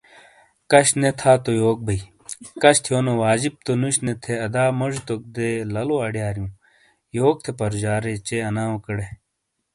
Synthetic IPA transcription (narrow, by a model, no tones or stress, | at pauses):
kɐɕnet̪ʰaːt̪ojoːk̚bɐi | kɐɕt̪ʰijoːnowaːd͡ʑib̚t̪onuɕnet̪ʰeɐd̪aːmɐʐut̪ok̚d̪elɐloɐɖjaːɾjũː | joːk̚t̪ʰepɐɾd͡ʑaːɾet͡ɕeɐnaːõkɐɽe